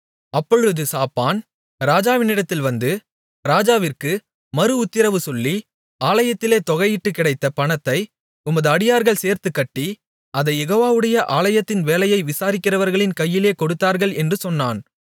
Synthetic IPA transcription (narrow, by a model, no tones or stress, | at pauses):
ɐpːɔɻɯðɯsaːpːaːn | ɾaːd͡ʒaːʋɪnɪɽɐt̪ːɪlʋɐnd̪ɯ | ɾaːd͡ʒaːʋɪrkɯ | mɐɾɯʊt̪ːɪɾɐʋɯsɔlːi | aːlɐjɐt̪ːɪleːt̪ɔɣɐjɪʈːɯkːɪɽɐɪt̪ːɐpɐɳɐt̪ːɐɪ | ʊmɐðɯɐɽɪjaːɾɣɐɭseːɾt̪ɯkːɐʈːi | ɐðɐɪjɛɣoːʋaːʋɯɽɐjɐʔaːlɐjɐt̪ːɪnʋeːlɐjɐɪʋɪsaːɾɪkːɪrɐʋɐɾɣɐɭɪnkɐjːɪleːkɔɽɯt̪ːaːɾɣɐɭɛndrɯsɔnːaːn